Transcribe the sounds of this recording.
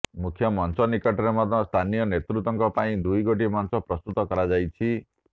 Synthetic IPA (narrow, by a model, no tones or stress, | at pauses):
mukʰjɔmɔnsɔnikɔʈɔɾemɔd̪ɔst̪ʰanijɔnet̪ɾut̪ɔŋkɔpaĩd̪ujɡoʈimɔnsɔpɾɔst̪ut̪ɔkɔɾad͡ʒajt͡ʃʰi